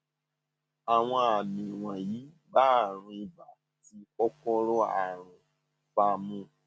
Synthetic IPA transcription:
a˨w̃ɔ̃˧a˨nĩ˨w̃ã˨ji˨˦ | ɡ͡ba˦˨ɾ̃ũ˧i˧ba˨ | ti˧˦ɔ˦kɔ˦ɾɔ˦a̰˨ɾ̃ũ˨ | fa˧mũ˦˨

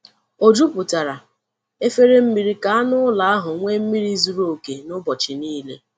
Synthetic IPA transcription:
o˨d͡ʒu˦pʊ˨ta˨ɾa˨ | e˦fe˦ɾe˦m̩˦mi˨ɾi˨ka˨a˦nʊ˦la˨a˦ɦʊ˨ŋʷe˦m̩˦mi˦ɾi˦zu˨ɾo˦˨ke˨nʊ˦bɔ˨t͡ʃɪ˨niː˦lḛ˦

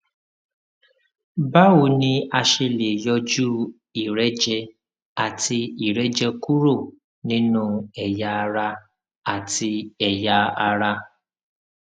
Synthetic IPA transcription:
ba˦wu˨nĩ˦a˦ʃe˧le˨jɔ˧d͡ʒu˦ | i˨ɾɛ˦d͡ʒɛ˦ | a˨ti˧i˨ɾɛ˦d͡ʒɛ˦ku˦ɾo˦˨ | nĩ˦nũ˦ɛ˨ja˧ɾa˧ | a˨ti˧ɛ˨ja˧a˧ɾa˧

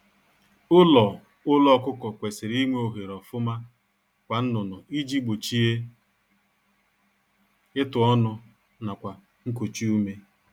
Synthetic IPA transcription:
ʊ˦lɔ˨ | ʊ˦lɔ˦kʊ˦kɔ˨kʷe˨sɪ˨ɾi˦ŋʷe˦o˨ɦe˨ɾɔ˨fʊ˦ma˦ | kʷa˨n̩˦nʊ˨nɔ˨i˦d͡ʒi˦ɡ͡bo˨t͡ʃi˦e˦ | ɪ˦tʊ˨ɔ˦nʊ˦ | na˨kʷa˨ | ŋ̩˦ko˨t͡ʃi˦u˦me˦

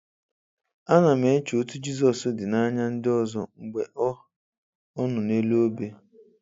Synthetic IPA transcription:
a˦na˨me˨˦t͡ʃo˨˦tu˦d͡ʒi˦zɔ˨sʊ˦dɪ˨na˦ɲa˦n̩˦dɪ˦ɔ˦zɔ˦˨ŋ͡m̩˨ɡ͡be˨ʔɔ˦ | ɔ˦nʊ˨ne˦lo˦be˦

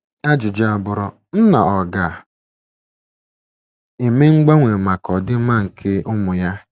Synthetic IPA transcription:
a˦d͡ʒʊ˨d͡ʒa˦a˨bʊ˨ɾɔ˦ | n̩˦na˨ɔ˨ɡa˨ | e˨me˦ŋ͡m̩˦ɡ͡ba˦ŋʷe˨ma˨kɔ˨dɪ˦ma˦˨ŋ̩˨kʰɪ˦ʔʊ˦mʊ˨ja˦

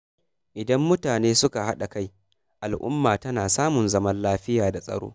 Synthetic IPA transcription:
ʔɪ˨dɐ˦mːʊ˦taː˨neː˦sʊ˦ka˨ha˦ɗa˨ka˦j | ʔa˨lʔʊ̰˦mːaː˨tɐ˦naː˨saː˦mʊ˨nzɐ˦mɐ˦nlaː˦ɸɪ˦jaː˨da˨sʼɐ̰˨ɽo̰ː˦

